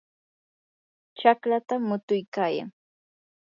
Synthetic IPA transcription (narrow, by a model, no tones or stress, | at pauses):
t͡ʃaklat̪amʊt̪ʊjkaːja̰ŋ